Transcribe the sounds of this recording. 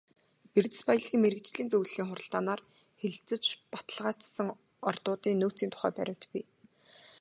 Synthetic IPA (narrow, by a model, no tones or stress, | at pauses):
ert̪ɘ̥̆spajə̆ɮɣiːŋmeɾɘ̆k̚t͡ɕɮiːnt͡sɵwɮːiːŋχʊɾə̆ɬt̪aːnaːr | xeɮt͡sɘ̆t͡ɕpḁt̪ə̆ɮʁaːt͡ssə̆ŋ | ɔrt̪ʊːt̪iːŋnuːt͡siːnt̪ʰʊ̥χæ̰ːpæ̰ɾʲɪ̆w̥t̪piː